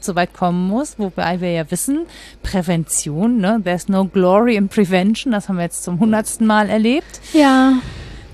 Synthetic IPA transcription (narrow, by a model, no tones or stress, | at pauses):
z̥ovaɪtkʰɔmənmʊsvoba̰ɪviːɐjaːvɪsn̩pʁ̥ɛvɛnt͡sjoːnːəðɛɐsnoʊɡlɔʁiɪnpʁ̥ivɛnʃn̩d̥ashabmviɐjɛt͡st͡sʊmɦʊndɐtstn̩maːlɛɐleːp̚tjaː